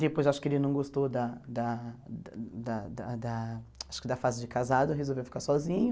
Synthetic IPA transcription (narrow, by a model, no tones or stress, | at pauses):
d̪epojzaʃʊ̥kɪelɪnɐ̃w̃ɡost̪od̪ɐd̪ɐ | d̪ɐd̪ɐd̪ɐaʃʊkɪd̪ɐfazɪd͡ʒɪkazad̪ʊeɦezowvewfi̥kaɾsɔzĩɲʊ